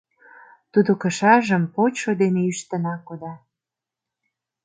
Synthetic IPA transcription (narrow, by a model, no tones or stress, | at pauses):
t̪ud̪okə̆ʃɑʒə̆mpot͡ɕʃod̪eneyʃt̪ə̆nɑkod̪ɑ